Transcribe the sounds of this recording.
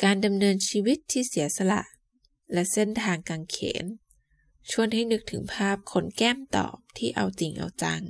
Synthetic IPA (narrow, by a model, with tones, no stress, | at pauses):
kaː˧nda˧mnɤː˧nt͡ɕʰiː˧wi˦˥t̪ʰːiː˥˩si˩˦ɐsa˧la̰˨˩ʔ | lɛ˦˥ʔse˥˩nt̪ʰaː˧ŋka˧ŋkʰḛː˩˦n | t͡ɕʰu˥˩ənɦa˥˩jnɯ˦˥k̚t̪ʰɯ˩˦ŋpʰaː˥˩p̚kʰo˧˥nkɛː˥˩mt̪ɔ̰ː˨˩p̚t̪ʰiː˥˩ʔa˧wt͡ɕi˨˩ŋʔa̰˧wt͡ɕa˧ŋ